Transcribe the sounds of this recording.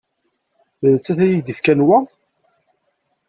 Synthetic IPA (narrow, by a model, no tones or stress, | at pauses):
ðət͡sːæθæjid̪ifkænwæ